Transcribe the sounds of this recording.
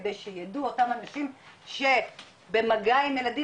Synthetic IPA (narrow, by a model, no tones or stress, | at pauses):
d̪ejʃejaduotamanaʃimʃe̞ | bemaɡajnelad̪i